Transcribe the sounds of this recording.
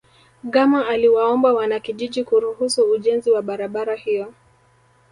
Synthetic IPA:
ɠamaaliwaɔmbawanakiʄiʄikuɾuhusuːʄɛnziwaɓaɾaɓaɾahijɔ

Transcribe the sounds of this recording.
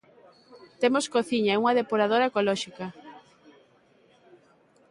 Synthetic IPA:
t̪emoskoθiɲaɛuŋɐðepoɾað̞oɾaekolɔʃika

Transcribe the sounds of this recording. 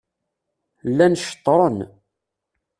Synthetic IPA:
lːænʃə̥t̪ˤːɾˤən

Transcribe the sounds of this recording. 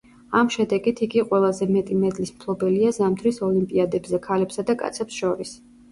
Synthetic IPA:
amʃɛd̪ɛɡit̪ʰiɡiqʼwɛlˠazɛmɛt̪ʼimɛd̪lismkʰlˠɔbɛliazamt̪ʰɾisɔlimpʼiad̪ɛbzɛkʰalɛpsad̪akʼa̰t̪sʰɛpsʃɔɾis

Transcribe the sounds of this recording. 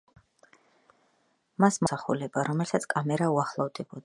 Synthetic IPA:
masmɔsaχṵlɛbaɾɔmɛlsat̪sʰkʼamɛɾauaχlˠavd̪ʼɛbɔd̪a

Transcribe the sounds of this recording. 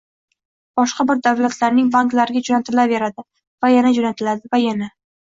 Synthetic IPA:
b̥ɒʃqɑbɪɾd̪avlat̪ʰlaɾnɪŋbanklaɾɪɡʲad͡ʒɒnat̪ʰɪlave̞ɾad̪ɪ | vajanad͡ʒɒnat̪ʰɪlad̪ɪvajana

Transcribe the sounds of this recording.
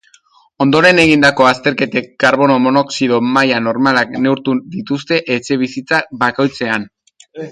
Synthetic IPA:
o̞nd̪o̞ɾe̞ne̞ɣ̞ind̪ako̞ast̪e̞ɾke̞t̪e̞kːaɾβo̞nomo̞no̞ksiðo̞majano̞ɾmalakne̞wɾt̪ud̪it̪ust̪e̞ʔet͡ʃe̞β̞isit͡sabako̞jt͡se̞an

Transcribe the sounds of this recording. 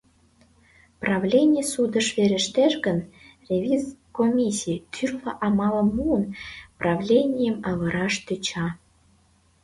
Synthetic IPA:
prɑvlʲenʲijsud̪ə̆ʃβeɾĕʃt̪eʃɣə̆n | rʲevʲizkomʲisʲit̪ʰyrlɑʔɑmɑlə̆muənprɑvlʲenʲijəmɑβɤ̆ɾɑʃt̪øt͡ɕɑ

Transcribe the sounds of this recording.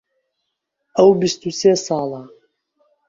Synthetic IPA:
ʔəwbist̪useːsɑːlˠa

